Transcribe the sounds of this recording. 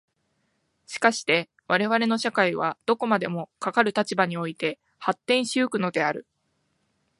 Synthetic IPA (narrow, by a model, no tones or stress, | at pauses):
ɕi̥kaɕi̥t̪e̞ | βaɾe̞β̞aɾe̞no̞ɕakaiβ̞ad̪̥o̞ko̞mad̪e̞mo̞kakaɾɯ̟t̪at͡ɕibaɲ̟io̞it̪e̞ | hat̪ːẽ̞ɰ̃ɕiokɯ̟no̞d̪e̞aɾɯ̟